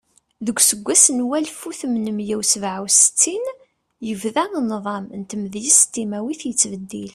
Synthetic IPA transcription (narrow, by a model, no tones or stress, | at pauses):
ðəɡʷːsəɡʷːæsnwælfuθmnəmjæwsvʕəwsə̥t͡sːin | jəvðænðˤɑmnt̪əmðjisə̥t̪ːimæwiθjət͡sːvəd̪ːil